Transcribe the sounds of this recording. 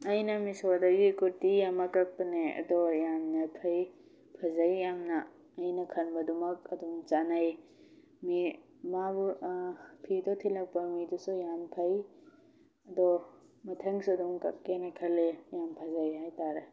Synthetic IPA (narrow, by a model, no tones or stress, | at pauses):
ɐjnɐmisodɐɡikuɾtijamɐkːak̚pɐneɐ̰dɔjamnɐpʰɐj | pʰɐzɐjːamnɐː | jnɐkʰɐnbɐdumɐk̚ɐduŋt͡ʃanaj | mi | mabu | pʰidɔtʰilɐk̚pɐmidusujampʰɐj | ɐdɔ | mɐtʰɐŋsuɐduŋkɐ̰kːenekʰɐlːejampʰɐzajɦajtaɾe